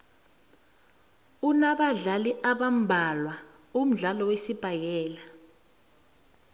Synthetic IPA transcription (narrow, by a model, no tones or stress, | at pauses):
unaɓaɮaliʔaɓam̩bʱalwa | um̩ɮalɔwesib̥ʱajɛːla